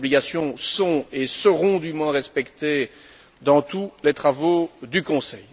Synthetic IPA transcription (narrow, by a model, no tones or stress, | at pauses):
bliɡasjɔ̃sɔ̃esəʁɔ̃d̪ymwɛ̃ʁɛspɛkt̪e | d̪ɑ̃t̪ulet̪χavod̪ykɔ̃sɛj